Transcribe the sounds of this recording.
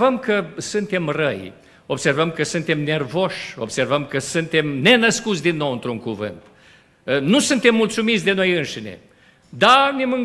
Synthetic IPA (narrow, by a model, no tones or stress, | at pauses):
vəmkəsunt̪e̞mrəj | o̞bse̞rvəmkəsunt̪e̞mne̞rvo̞ʃo̞bse̞rvəmkəsunt̪e̞mne̞nəskut̪sʲd̪inːo̞wɨnt̪ɾuŋkuvɨ̰nt̪ | nusunt̪e̞mːult̪sumit̪sʲd̪e̞no̞jɨnʃine̞̰ | d̪anemɨŋ